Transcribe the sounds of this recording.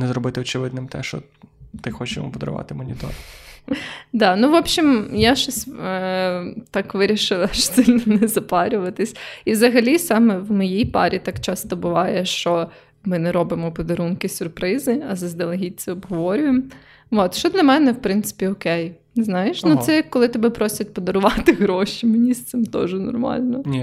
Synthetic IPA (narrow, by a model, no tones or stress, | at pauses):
nɛzrɔbɪt̪ɪɔt͡ʃɪʋɪd̪nɪmt̪ɛ̰ʃt͡ʃɔ̰ | t̪ɪxɔt͡ʃɪ̰mɔ̰pɔd̪ɐ̰ɾʊ̰ʋɑ̰t̪ɪmɔnʲit̪ɔ̰ɾ | d̪ɑnuʋɔbʃimjaʃt͡ʃɔsʲ | t̪ɑkʋɪɾʲiʃɪlˠɐʃt͡ʃɔ̥t̪sɪlʲnɔnɛzɐpɑɾʲʊʋɐt̪ɪsʲizɐɦɐlʲisɑmɛʋmɔjijpɑ̰ɾʲit̪ɑkt͡ʃɑst̪ɔbʊʋɑjɛʃt͡ʃɔ | mɪnɛɾɔbɪmɔpɔd̪ɐɾunkɪsʲʊrpɾɪzɪɐzɐzd̪ɐlˠɐɦʲit͡sʲɛɔbɦɔʋɔɾʲʊjem | ɔt̪ʃt͡ʃɔd̪lʲɐmɛnɛwpɾɪnt̪sɪ̥pʲiɔkɛj | znɑjɪʃnut̪sɛɐkkɔlˠɪt̪ɔbɛpɾɔsʲɐt̚ʲpɔd̪ɐɾʊʋɑt̪ɪɦɾɔʃimenʲist̪sɪmt̪ɔ̰ʒɛnɔ̰rmɑ̰lʲnɔ